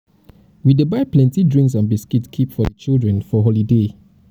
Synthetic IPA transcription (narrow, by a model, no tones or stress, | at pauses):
widəbaɪplɛ̃ntidɹĩŋks̬ãnbiskitkʰipfɔdət͡ʃildɹɛ̃nfɔɦolide